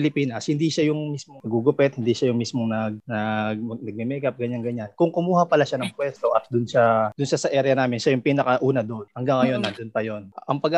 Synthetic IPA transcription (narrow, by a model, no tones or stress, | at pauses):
ɪlɪpiːnɐshɪnd̪iʃajʊŋmismoŋnɐɡuɡʊpɛt̪̚hɪnd̪iːʃajʊŋmismoŋnɐɡ̚nɐɡnɐɡ̚mɛmɛkɐp̚ɡɐɲaŋɡɐɲankʊŋkʊmuːhɐpɐlaʃanɐŋpwɛst̪o̞ʔɐt̪̚d̪ʊnsɐd̪̥ʊnʃasɐʔɛɾjɐnaːmɪnʃajʊŋpiːnɐkɐʔuːnɐd̪oʔnhɐŋɡaŋːɐjo̞nːɐnd̪ʊnpɐjo̞nʔʔɐŋpɐɡ